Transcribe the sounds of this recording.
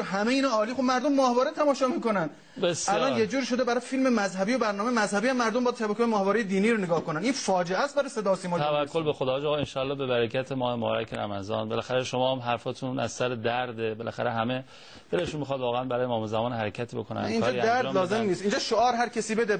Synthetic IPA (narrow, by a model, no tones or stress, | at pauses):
ɦæmeiːnɑːlixobmæɾd̪o̞mːɒːhvɒːɾet̪ʰæmɒːʃɒːmiːko̞nænd̪ | besællɒːnjed͡ʒuːɾiʃo̞d̪ebæɾɒːjfilme̞mæzhæbijobæɾnɒːmejmæzhæbiːhæmːæɾd̪ombɒjæd̪ʃʰæbækʰojemɒːhvɒːɾejed̪iːniːɾoneɡɒːhko̞næniːnfɒːd͡ʒeʔæst̪bæɾɑjse̞d̪ɒːsiːmɒːævækʰːolbexod̪ɒd͡ʒɒːɣenʃɒːlːɒːbebæɾecʰæt̪ʰemɒːhemobɒ̰ːɾæ̰cʰeɾæ̰mæzɒːnbelæxæɾeʃomɒːhæmɦæɾfɒt̪ʰunæ̰z̥sæɾed̪æɾd̪ebelæxæɾeɦæme̞ | b̥eɾeʃunmixɒːd̪vɒːɣeænbæɾɒːjemɒːmezæmɒːnhæɾecʰæt̪ʰiːbo̞kʰonæ̰niːnd͡ʒɒːdæd̪æɾd̪lɒːzemmniːst̪iːnd͡ʒɒʃoɒːɾɦæɾcʰesiːbed̪e